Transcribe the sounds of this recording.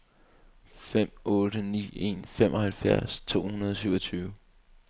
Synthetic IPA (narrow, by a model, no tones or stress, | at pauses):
fem̰ɔ̽ːɾənḭːe̝̰nfem̰ʔɒ̽hælfjæɐ̰st͡sʰo̝̰ːhunɐð̞ˠɒ̽s̬yʊɒt͡sʰyːʊə